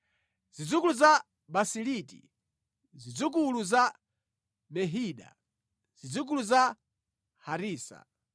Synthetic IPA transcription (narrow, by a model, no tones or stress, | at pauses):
z̥id͡zukuluza | basilitḭ | zid͡zuk̬uluza | mɛɦiːɗa̰ | z̥id͡zuk̬uluza | haɾiːsa̰